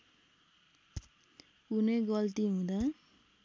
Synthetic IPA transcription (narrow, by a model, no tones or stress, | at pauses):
uneɡʌlt̪iɦũd̪ʌ